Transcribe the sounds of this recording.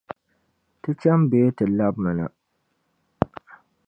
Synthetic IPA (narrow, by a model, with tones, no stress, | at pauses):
tɨ˦t͡ʃa˦mbeː˦tɨ˨la˦b̚mɨ˨na̰˨